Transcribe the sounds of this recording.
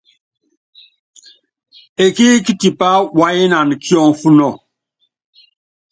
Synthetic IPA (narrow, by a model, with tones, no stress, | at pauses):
e˨ki˦ki˦ti˨pa˦wa˦ji˦na˨n˨kʰi˦ɔ˦ŋ˨˦fu˦nɔ˦˨